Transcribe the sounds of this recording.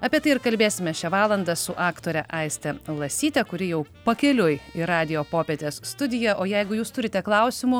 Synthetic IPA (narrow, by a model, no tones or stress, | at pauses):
ɐpʲiɛt̪ɐɪɪɾkɐlʲbʲeːsʲɪmʲɛʃʲɛʋɑːlˠɐnd̪ɐsʊʔɑːkt̪oːɾʲɛʔɐɪsʲt̪ʲɛlˠɐsʲiːt̪ʲɛkʊɾʲɪjɛʊpɐkʲɛlʲʊjɪɾɑːd̪ʲɪjoːpoːpʲeːt̪ʲeːsst̪ʊd̪ʲɪjɛʔoːjɛɪɡʊjuːst̪ʊɾʲɪt̪ʲɛklˠɐʊsʲɪmʊ